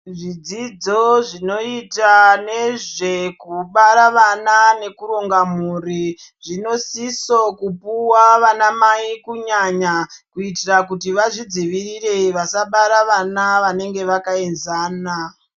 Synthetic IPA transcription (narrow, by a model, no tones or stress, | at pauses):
ʐid͡zid͡zo̞ʐino̞itane̞ʐe̞kuɓaɾaʋanane̞kuɾo̞ŋɡamuri | ʐino̞sisokupuwaʋanamaikuɲaɲakuitirakutiʋaʐid͡ziʋirire̞ʋasaɓaɾaʋanaʋane̞ŋɡe̞ʋakae̞nzaːna